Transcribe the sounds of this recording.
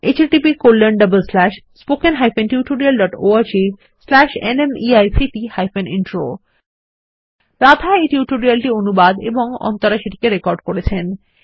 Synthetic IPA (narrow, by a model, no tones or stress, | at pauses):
et͡ɕeʈipikolːenɖəbəlslɛʃspokenɦajfenʈjuʈuɖialɖɔʈoaɾd͡ʑi | slɛʃḛnemiajsiʈihajfenḭnʈɾo | ɾad̪ʱaeʈjuʈuɾialʈionubad̪ḛboŋɔ̰nt̪oɾaʃiʈi̥keɾekɔɾɖkoɽet͡ɕʰen